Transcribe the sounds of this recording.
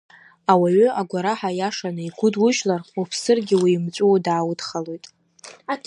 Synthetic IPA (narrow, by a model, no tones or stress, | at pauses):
awaɥʏaɡʷaɾaħajaʂanɨiɡʷʊdwʊʒlarupʰsɨrɡʲɪwiːmt͡sʷʼudaːwʊdχalojtʼ